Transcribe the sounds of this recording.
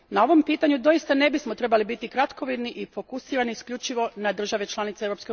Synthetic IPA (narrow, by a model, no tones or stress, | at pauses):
nao̞ʋo̞mpiːt̪aɲud̪o̞ist̪ane̞bismot̪ɾe̞balibit̪ikɾat̪ko̞ʋid̪niʔifo̞kusiːɾaniiskʎʲut͡ʃiʋo̞nad̪r̩ʒaʋe̞t͡ʃlˠanit̪seeʋɾo̞pske